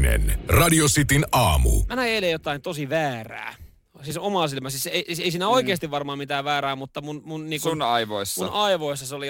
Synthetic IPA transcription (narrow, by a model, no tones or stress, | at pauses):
nḛnrɑdiosit̪inʔɑːmṵmænæeːlejjot̪ɑint̪osiʋæːræ̰ː | siːsomɑˑsilmæsiːseiseisiːnæoikeːst̪iʋʋɑrmɑːmit̪æːʋʋæːɾæːmut̪ːɑmunmunniːŋkunɑiʋoisːunɑiʋoisːɑseoli